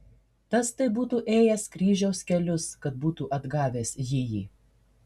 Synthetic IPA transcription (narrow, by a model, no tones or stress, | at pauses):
t̪ɐst̪ɐɪbuːt̪uːʔeːjɛskɾʲiːʒʲɛʊskʲɛlʲʊskɐt̪̚buːt̪uːʔɐd̪ɡɑːʋʲeːsjiːjiː